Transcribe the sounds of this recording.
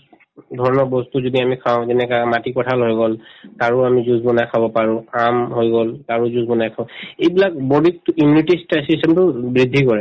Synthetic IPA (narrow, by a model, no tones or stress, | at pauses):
dʱɔɹɔnɔbɔstuzodiamikʰaʊ̃zɛnɛkamatipɔtʰalɦojɡɔltaɹʊamizuzbɔnajkʰabɔpaɹʊ̃amɦojɡɔltaɹuzuzbɔnajkʰabɔejbilakbɔdik̚tʊimunitistajsistɛmtʊbɹid̪ʱːikɔɹɛ